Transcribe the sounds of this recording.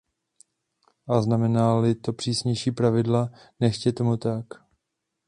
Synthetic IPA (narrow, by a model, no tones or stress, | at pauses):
ʔaznamɛnalɪt̪o̞pr̥iːsɲɛjʃiːpɾavɪdla | nɛʃcɛt̪omut̪ak